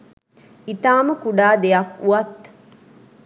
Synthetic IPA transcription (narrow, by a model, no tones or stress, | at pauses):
it̪aːməkuɖaːd̪ejakuat̪